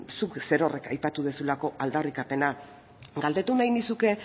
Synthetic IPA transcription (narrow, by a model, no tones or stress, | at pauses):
sukse̞ɾo̞re̞kajpat̪uðesulako̞ʔald̪arikape̞na | ɡald̪e̞t̪unajnisuke̞